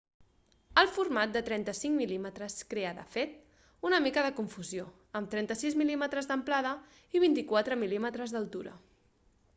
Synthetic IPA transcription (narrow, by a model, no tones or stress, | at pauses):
əlˠfurmat̪̚d̪ət̪ɾɛnt̪əsiŋmilimət̪ɾəskɾeəðə̰fet̪̚ | unəmikəðəkuɱfuzjo | əmt̪ɾɛnt̪əsizmilimət̪ɾəzðəmplaðə | iβ̞int̪ikwat̪ɾəmilimət̪ɾəzðəlˠt̪uɾə̰